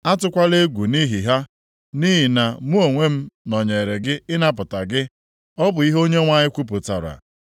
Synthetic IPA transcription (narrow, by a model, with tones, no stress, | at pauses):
a˦tʊ˦kʷa˦le˦ɡʷu˨ni˦ɦi˨ɦa˦ | ni˦ɦi˨na˨mu˦o˨ŋʷe˦m̩˦nɔ˨ɲe˨ɾe˨ɡɪ˦ɪ˦na˦p̬ʊ˨ta˨ɡɪ˦ | ɔ˦bʊ˨i˦ɦo˦ɲe˦ŋʷa˦ɲɪ˦kʷu˦p̬ʊ˨ta̰˨ɾa̰˨